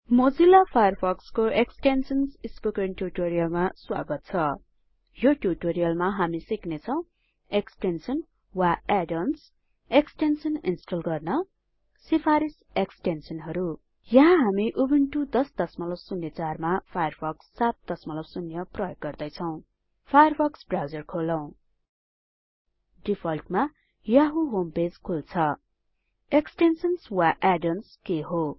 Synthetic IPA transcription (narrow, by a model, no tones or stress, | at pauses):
mod͡zilːapʰajʌrpʰʌkskoeksʈensʌnsispukeɳʈjuʈoɾijʌlmaswa̰ɡʌt̪̚t͡sʰʌ | joʈjuʈoɾijʌlmaɦamisiknet͡sʰʌ̃w̃ | eksʈensʌn | waeɖʌns | eksʈensʌninsʈʌlɡʌrnʌ | sipʰaɾis | eksʈensʌnɦʌɾu | jʌɦãɦamiʔubiɳʈud̪ʌsd̪̥ʌsmʌlʌwsunjʌt͡sarmapʰajʌrpʰʌksːat̪̚d̪̥ʌsmʌlʌbsunjʌprʌjoɡːʌrd̪ʌjt͡sʰʌw̃ | pʰajʌrpʰʌksbrawd͡zʌrkʰolʌw̃ | ɖipʰʌlʈma | jaɦuɦomped͡zkʰult͡sʰʌ | eksʈensʌnswaʔaɖʌnskeɦo